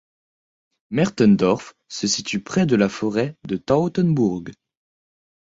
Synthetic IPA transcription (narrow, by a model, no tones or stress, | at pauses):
mɛʁt̪ɔnd̪ɔʁf | səsit̪ypχɛd̪əlafɔʁɛd̪ət̪aot̪ɛnbuʁɡ